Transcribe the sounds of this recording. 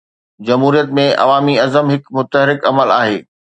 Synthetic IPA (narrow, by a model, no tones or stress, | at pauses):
d͡ʑɐmɦuːɾijət̪mẽʔɐ̰ʋaːmiɐzəmɦɪkmʊt̪əɦɾɪkɐməlaːɦeː